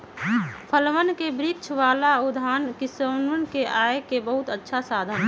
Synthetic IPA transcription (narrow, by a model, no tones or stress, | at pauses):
pʰəlʋənkebɾik̚t͡ʃʰʋaːlaʊd̪ʱaːnkɪsənənkeʔaːekebəɦʊt̪ətːʃʰasaːd̪ʱən